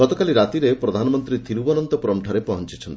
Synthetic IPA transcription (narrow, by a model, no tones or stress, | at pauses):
ɡɔt̪okaliɾat̪iɾepɾɔd̪ʱanɔmɔnt̪ɾit̪ʰiɾubɔnɔnt̪ɔpɾɔmʈʰɔɾepɔɦɔnt͡ʃit͡ʃʰɔnt̪i